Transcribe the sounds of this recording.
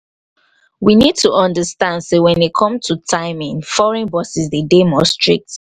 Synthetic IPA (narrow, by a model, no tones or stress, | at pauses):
winid̚tuʔɔ̃ndəstãndsewɛ̃nekʰɔ̃mtʰutʰaɪmĩŋfɔɹɛ̃nbɔsisdedemɔstɹik̚t